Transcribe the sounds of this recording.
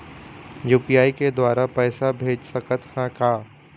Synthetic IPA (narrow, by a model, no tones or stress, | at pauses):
juːpijaːiked̪waːɾapɛːsabʱeːd͡ʒsəkət̪hãkaː